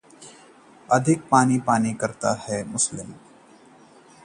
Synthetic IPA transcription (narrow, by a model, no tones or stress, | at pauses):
ɐd̪ʱɪk̚paːnipaːnikɐɾt̪ahɛmʊslɪm